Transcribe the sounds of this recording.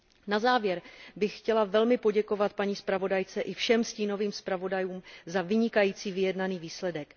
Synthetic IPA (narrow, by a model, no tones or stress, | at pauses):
nazaːvjɛɾbɪxxcɛlavɛlmɪpo̞ɟɛko̞vat̪̚paɲiːspɾavo̞dajt͡sɛʔɪfʃɛmsciːno̞viːmspɾavo̞dajuːmzavɪɲɪkajiːt͡siːvɪjɛdnaniːviːslɛdɛk